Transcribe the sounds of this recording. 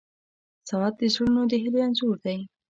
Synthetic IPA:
sawɑd̪̚d̪əsoɽunod̪əɦɪleanzuɾd̪aj

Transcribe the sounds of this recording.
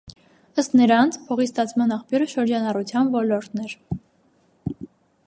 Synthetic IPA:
əst̪nəɾɑnt͡sʰpʰɔʁist̪ɑt͡sʰmɑnɑχpʰjuɾəʃəɾd͡ʒɑnɑrut͡sʰjɑnvɔlɔɾt̪nɛɾ

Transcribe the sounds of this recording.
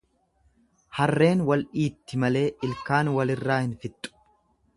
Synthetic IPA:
hɐrːe̞ːnwɐlʔiːt̪ːɪmɐle̞ːʔɪlkaːnwɐlɪrːaːhɪnfɪt̪ʼːʊ̥

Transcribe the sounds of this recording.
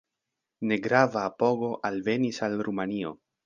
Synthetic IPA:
ne̞ɡɾavaːpo̞ɡo̞ʔalve̞nisalɾumanio̞̰

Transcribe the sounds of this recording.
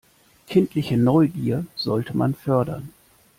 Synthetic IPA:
kʰɪntlɪçənɔʏɡiːɐz̥ɔltʰəma̰nfœɐdɐ̰n

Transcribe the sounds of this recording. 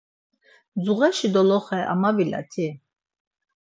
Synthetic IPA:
d͡zuʁɛʃid̪ɔlɔχɛʔa̰mavila̰t̪ʰi

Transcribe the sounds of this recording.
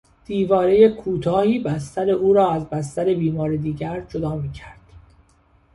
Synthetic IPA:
d̪̥iːvɒːɾejekʰuːt̪ʰɒːhiːbæst̪æɾe̞ʔuːɾɒːæzbæst̪æɾe̞biːmɒːɾed̪iːɟæɾd͡ʒod̪ɒːmiːcʰæɾd̪̥

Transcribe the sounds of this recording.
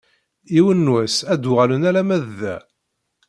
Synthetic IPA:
iwənːwæsæd̪ʊʁælənælæmæððæ̰

